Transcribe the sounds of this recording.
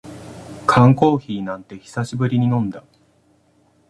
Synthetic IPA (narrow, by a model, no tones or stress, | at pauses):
kʰãŋko̞ːçiːnãnt̪e̞çi̥saɕibɯ̟ɾʲiɲ̟inõ̞nd̪a